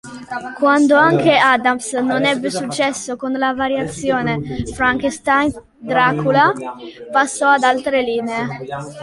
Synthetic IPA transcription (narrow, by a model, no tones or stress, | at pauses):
kwand̪oaŋkeaːd̪amsnonɛbːesut͡ʃːɛsːokonlavaɾjat̪sːjoːnefɾaŋkst̪ajn | d̪ɾaːkulapasːɔad̪alt̪ɾeliːnee